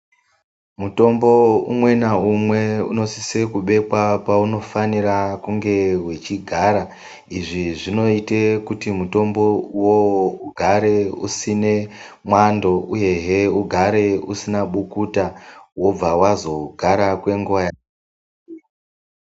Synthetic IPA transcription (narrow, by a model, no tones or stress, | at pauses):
muto̞mbo̞ṵmwe̞naumwe̞ṵno̞sisekuɓe̞pwapauno̞fanirakuŋɡe̞wet͡ʃiɡʱaɾa | iʐiʐino̞itekutimuto̞mbo̞uwowouɡʱaɾe̞usine̞ | mwando̞uje̞ɦeuɡʱaɾe̞usinaɓukutawo̞b͡vawazo̞ɡʱaɾakwe̞ŋɡoːja